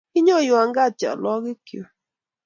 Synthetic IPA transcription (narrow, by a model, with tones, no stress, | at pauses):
ɪ˦ɲo˦˨jʊ˨a˨ŋɡa˦t͡ʃa̰˨lɔ˦ɡɪ˦kjo̰˨